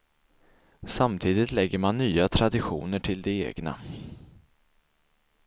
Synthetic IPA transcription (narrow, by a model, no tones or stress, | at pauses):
samt̪ʰiːd̪ɪt̪lɛɡːəɾmanːyːat̪ʰɾad̪ɪɧṵːnəʈʰɪld̪ɛḛːɡna̰